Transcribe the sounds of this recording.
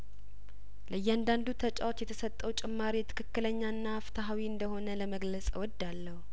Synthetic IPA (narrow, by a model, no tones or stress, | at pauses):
ləjːɛand̪and̪ut̪ʰət͡ʃʼa̰wot̪jɛt̪ʰəsət̪ʼːəwt͡ʃʼɪmːaɾit̪ʰɨ̥kʰɨkːɨləɲːanːaːft̪ʰaɦawiɨnd̪əho̞nələməɡləsʼwɔd̪ːalːəhu